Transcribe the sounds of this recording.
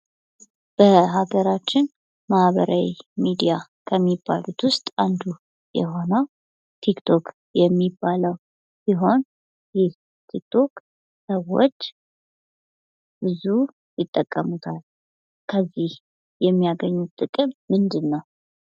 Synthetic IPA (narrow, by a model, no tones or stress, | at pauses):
b̥əɦaɡəɾat͡ʃːɪn | mahβə̰ɾʔa̰wimid̪ijakʰəmːibːa̰lut̪wʊst̪ʼand̪u | jɛ̰ɦo̞nəw | t̪ʰikt̪ʰo̞k | jɛmːibːaləw | sɪɦo̞n | jɪh | t̪ʰik̚t̪ʰo̞k | səwːo̰t͡ʃː | bɨzu | jɪt̪ʼːəkʼːəmut̪ʰal | kʰəzːih | jɛmːijaɡəɲːut̪t̪ʼːɨkʼɨmːɨnd̪ɨnːəw